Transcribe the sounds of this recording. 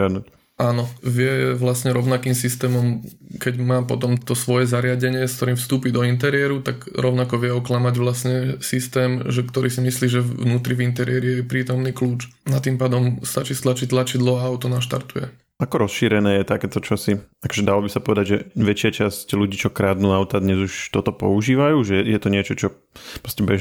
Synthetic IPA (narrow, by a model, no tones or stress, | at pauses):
ad̪nuc | ʔaːnɔʋɪɛʋlasɲɛɾɔʊnakiːmsist̪ɛːmɔmkɛɟmaːpɔt̪ɔmt̪ɔsʋɔjɛzaɾɪaɟɛɲɪɛskt̪ɔɾiːmfst̪uːpid̪ɔint̪ɛɾɪɛɾut̪aɡɾɔʊnakɔʋɪɛɔklamaɟʋlasɲɛsist̪ɛːmʒɛkt̪ɔɾiːsimisliːʒɛʋnuːt̪ɾivint̪ɛɾɪɛɾiɛjɛpɾiːt̪ɔmniːkluːt͡ʃ̪ | at̪impaːd̪ɔmst̪at͡ʃiːst̪lat͡ʃit̪lˠat͡ʃid̪lɔaaʊt̪ɔnaʃt̪a̰ɾt̪ujɛ̰ | ʔakɔɾɔsʃiːɾɛnɛːjɛt̪akɛːt̪ɔt͡ʃɔsiakɔ̥ʒɛd̪alɔbisapɔʋɛd̪aɟʒɛʋɛt͡ʃɪat͡ʃascluɟiːt͡ʃɔkɾaːd̪nuaʊt̪ad̪ɲɛzuʃt̪ɔt̪ɔpɔ̰uʒiːʋajuːʒɛjɛt̪ɔɲɪɛt͡ʃɔt͡ʃɔ | pɾɔscɛbɛ